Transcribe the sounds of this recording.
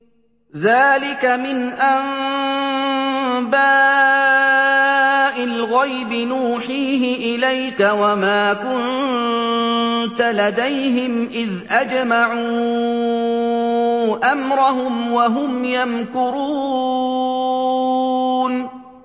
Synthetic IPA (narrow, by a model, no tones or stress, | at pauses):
ðaːlɪkamɪnʔam | baː | ʔɪlɣajbɪnuːħiːɦɪʔɪlajkawamaːkʊn | t̪alad̪ajɦɪmʔɪðʔad͡ʒmaʕuː | ʔamɾʊɦʊmwaɦʊmjankʊɾuː | n